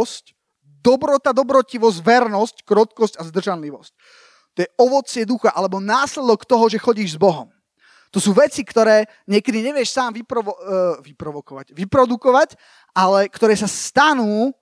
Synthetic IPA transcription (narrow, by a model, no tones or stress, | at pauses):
sc | d̪ɔbɾɔt̪ad̪ɔbɾɔciʋɔzɟʋɛɾnɔsckɾɔt̪kɔscazd̪r̩ʒanliʋɔsc | t̪ɔjɛʔɔʋɔt͡sɪɛd̪uxaʔalɛbɔnaːslɛd̪ɔkt̪ɔɦɔʒɛxɔɟiːʒzbɔɦɔm | t̪ɔsuːʋɛt͡sikt̪ɔɾɛː | ɲɪɛkɛd̪iɲɛʋɪɛʃsaːmʋipɾɔɔʋipɾɔʋɔkɔʋaɟʋipɾɔd̪ukɔʋac | ʔalɛkt̪ɔɾɛːsast̪anuː